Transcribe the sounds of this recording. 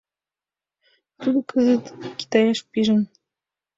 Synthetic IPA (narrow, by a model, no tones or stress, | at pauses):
t̪ud̪ɤ̆kɤzɘ̆t̪kʲi̥t̪ɑjɑʃpʲiʒɘ̆n